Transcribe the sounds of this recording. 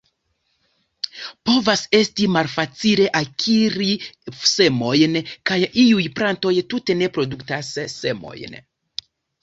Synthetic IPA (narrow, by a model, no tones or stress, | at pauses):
po̞vase̞stimalfat͡sile̞ʔakʰiɾise̞mo̞jnkajiujplanto̞jtute̞ne̞pɾo̞duktasːe̞mo̞̰jn